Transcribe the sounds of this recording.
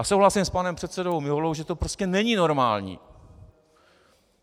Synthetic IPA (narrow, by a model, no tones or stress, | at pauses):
asowlasimspanɛmpr̥ɛt̪sɛdo̞wmɪɦolowʒɛt̪opɾo̞scɛnɛɲino̞ɾmaːlɲḭː